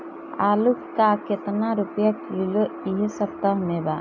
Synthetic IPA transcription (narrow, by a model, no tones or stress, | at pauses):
aːlukkaket̪naɾupjakiloiɦesɐp̚t̪aɦmeba